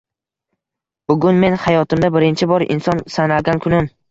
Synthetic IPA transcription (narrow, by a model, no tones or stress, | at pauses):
b̥ʊɡʲʊnme̞nhajɒt̪ʰɪmd̪abɪɾɪnt͡ʃʰɪbɒɾɪ̰nsɒnsanalɡʲankʰʊnɪm